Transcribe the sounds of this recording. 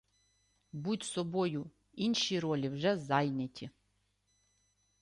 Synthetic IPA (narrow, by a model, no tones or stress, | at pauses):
butʲsɔbɔjʊ | inʃiɾɔlʲiwʒɛzajnʲɐtʲʰi